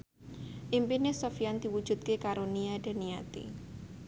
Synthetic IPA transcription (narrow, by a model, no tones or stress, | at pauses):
ʔimpinɪsofiand̪̥i̤wud̥ʒ̥ṳt̪̚kekaɾoniaɖ̥e̤niat̪ḭ